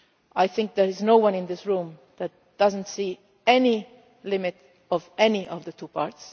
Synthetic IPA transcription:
ʔajθɪ̃ŋk̚ðəɪznoʊwʌ̃nɪ̃nðɪsɹũm | ðæt̚d̥ʌzə̃ntsiː | ɛni | lɪmɪɾ | ɔvɛniʔɔvðətʰupʰaɹts

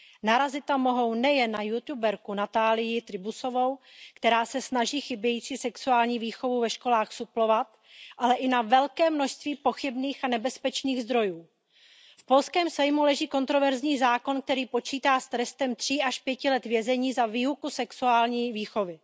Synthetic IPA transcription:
naɾazɪt̪ːamo̞ɦo̞wnɛjɛnːajut̪jubɛɾkunat̪aːlɪjɪt̪ɾɪbuso̞vo̞wkt̪ɛɾaːsɛsnaʒiːxɪbjɛjiːt͡siːsɛksuaːlɲiːviːxo̞vuvɛʃko̞laːxsuplo̞vat̪ | ʔalɛʔɪnavɛlkɛːmno̞ʃst̪viːpo̞xɪbniːxanɛbɛspɛt͡ʃniːɣzd̪ɾo̞juː | fpo̞lskɛːmsajmulɛʒiːko̞nt̪ɾo̞vɛɾzɲiːzaːko̞nk̚t̪ɛɾiːpo̞t͡ʃiːt̪aːst̪ɾɛst̪ɛmt̪r̝̥iːaʃpjɛcɪlɛt̪vjɛzɛɲiːzaviːukusɛksuaːlɲiːviːxo̞vɪ

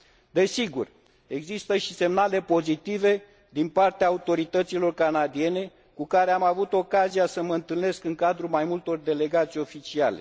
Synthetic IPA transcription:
d̪e̞siɡur | e̞ɡzist̪əʃi̥se̞mnale̞po̞zit̪ive̞ | d̪inpart̪eaːut̪o̞ɾit̪ət̪silo̞rkanad̪ie̞ne̞ | kukaɾeamavut̪o̞kazijasəməɨnt̪ɨlne̞skɨŋkad̪ɾulmajmult̪o̞rd̪e̞le̞ɡat̪sʲjo̞fit͡ʃiale̞̰

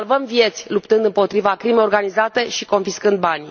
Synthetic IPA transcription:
lvəmvije̞t̪sʲlupt̪ɨnd̪ɨmpo̞t̪ɾivakɾimejorɡanizat̪e̞ʃiko̞nfiskɨnd̪̚banʲ

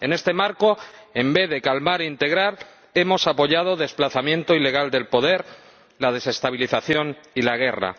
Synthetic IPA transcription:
e̞ne̞st̪e̞maɾko̞e̞mbe̞ðe̞kalmaɾint̪e̞ɣɾaɾ | e̞mo̞sapo̞ʝað̞o̞ðe̞splaθamjẽ̞nt̪oile̞ɣ̞ald̪e̞lpo̞ðe̞ɾ | lað̞e̞se̞st̪aβ̞iliθaθjo̞nilaɣ̞e̞ra̰

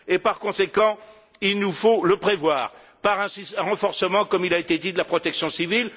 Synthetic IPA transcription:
epaʁkɔ̃sekɑ̃ | ilnufoləpχevwaːʁ | paʁɛ̃sisɛ̃ʁɑ̃fɔʁsəmɑ̃kɔmilaet̪ed̪id̪əlapχɔt̪ɛksjɔ̃sivil

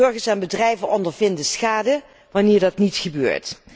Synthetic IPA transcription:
ɵɹχəɹsɛnbədrɛjvənɔndəɹvɪndəsχaːdə | ʋɑnɪːɹdɑtnitχəbø̰ːɹt

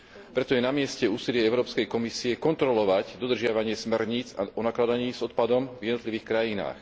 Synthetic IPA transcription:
pɾɛt̪ɔjɛnamɪɛscɛuːsilɪɛɛʊɾɔːpskɛjkɔmisiɛkɔnt̪ɾɔlɔʋaɟd̪ɔd̪r̩ʒɪaʋaɲɪɛsmɛɾɲiːt͡sa̰ɔnaklad̪aɲiːzɔt̪̚pad̪ɔmvjɛd̪ɔt̪liʋiːxkɾajina̰ːx

